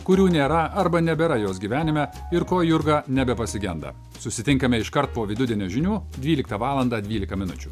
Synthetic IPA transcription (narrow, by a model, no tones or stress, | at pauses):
kʊɾʲuːnʲeːɾɐɐɾbɐnʲɛbʲɛɾɐjoːs̬ɡʲiːʋʲæːnʲɪmʲɛɪɾkoːjʊɾɡɐnʲɛbʲɛpɐsʲɪɡʲɛnd̪ɐ̰ | sʊsʲɪt̪ʲɪŋkɐmʲɛɪʃkɐɾt̪̚poːʋʲɪd̪ʊd̪ʲɛnʲuːʒʲɪnʲuːd̪ʲʋʲiːlʲɪk̚t̪ɐʋɑːlˠɐnd̪ɑːd̪ʲʋʲiːlʲɪkɐmʲɪnʊt͡ʃʲu